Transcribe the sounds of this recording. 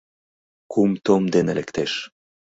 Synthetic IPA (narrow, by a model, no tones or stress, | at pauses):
kumt̪omd̪enelekt̪eʃ